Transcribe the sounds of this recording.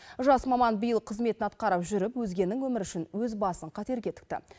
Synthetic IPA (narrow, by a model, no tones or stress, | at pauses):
ʒɑsmɑmɑnbijəlˠqʰəzme̞t̪ɪnɑt̪̚qɑɾəpʒʏɾɪpwɵzɡʲe̞nːɪŋwɵmɪɾʏʃɪnwɵzbɑsəɴqʰɑt̪e̞ɾɡʲe̞t̪ʰʏ̥k̚t̪ɪ̰